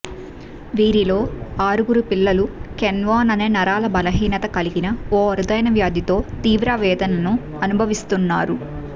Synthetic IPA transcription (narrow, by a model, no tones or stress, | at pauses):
ʋiːɾilo̞ːaːɾuɡuɾupilːɐlukɛnʋaːnɐneːnɐɾaːlɐbɐlɐɦiːnɐt̪ɐkɐliɡinɐoːɐɾud̪ɐjɐnɐʋjaːd̪it̪o̞ːt̪iːʋɾaːʋɛːd̪ɐnɐnu | ɐnubʱɐʋist̪unːaːɾu